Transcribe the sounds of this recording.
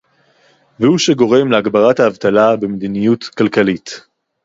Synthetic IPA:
vehuʃeɡo̞ʁe̞mleaɡbaʁathaːvt̪alabemed̪inijutkalkalit

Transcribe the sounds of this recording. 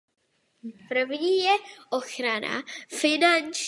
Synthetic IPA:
pr̩vɲiːjɛʔoxɾana̰fɪnant͡ʃ

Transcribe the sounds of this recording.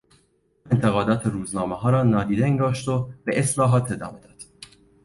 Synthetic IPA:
e̞nt̪ʰe̞ɣɒːd̪ɒːt̪ʰeɾuːznɒːmeɦɒːɾɒːnɒːd̪iːd̪eeŋɡɒːʃt̪obeʔeslɒːɦɒːt̪ʰe̞d̪ɒ̰ːme̞d̪̥ɒːd̪̥

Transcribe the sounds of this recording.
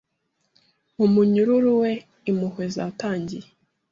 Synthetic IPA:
umuɲuɾuɾuwe̞ | imuhwe̞za̰taːɲɟije

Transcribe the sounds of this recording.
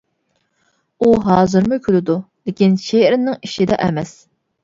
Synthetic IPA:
uɦɑːzɨɾmʊkʲʰylɪd̪ulɪkʲinʃeɾɪnːɪŋiʃid̪ɛ̰ʔɛmɛs

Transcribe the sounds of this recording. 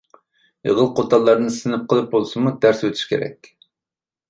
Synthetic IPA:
ə̰ʁəlˠqʰot̪ʰɑlˠːɑɾnɨɨsɨnɨp̚qʰəlˠɨp̚bolˠsɨmud̪æɾsøt̪ʰy̥ʃkʲʰeɾɛ̰kʲ

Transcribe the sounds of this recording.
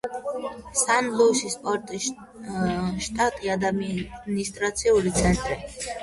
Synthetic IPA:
sanlusispʼɔɾt̪ʼi | ʃt̪ʼat̪ʼiad̪anist̪ʼɾat̪sʰiuɾit̪sʰɛnt̪ʼɾi

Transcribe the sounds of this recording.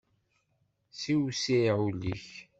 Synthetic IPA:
siwsiʕulḭç

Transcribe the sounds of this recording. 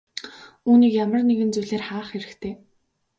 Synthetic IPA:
uːniːkjamə̆rneɣɘ̆nt͡sujɮeːrχaːχeɾɘ̆xt̪ʰeː

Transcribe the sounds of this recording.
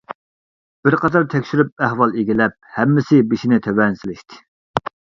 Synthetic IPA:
b̥ɪɾqʰɑt̪ɑɾt̪ʰɛkʲʃyɾyp̚æhwɑlˠeɡʲilɛp̚hɛmːɪsɪbiʃinɪt̪ʰɛwɛnsɪlɪʃt̪ʰɪ̥

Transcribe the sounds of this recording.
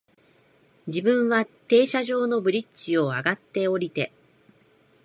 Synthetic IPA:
d͡ʑibɯ̟̃ɰ̃βat̪e̞ːɕaʑo̞ːno̞bɯ̟ɾʲit͡ɕio̞aɡat̪ːe̞o̞ɾʲit̪e̞

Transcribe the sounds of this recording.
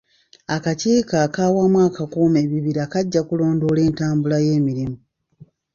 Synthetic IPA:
akaciːkakaːwamwaːkakuːme̞ːβiβiɾakaɟːakulo̞ːndo̞le̞ːntaːmbulaje̞ːmiɾimu

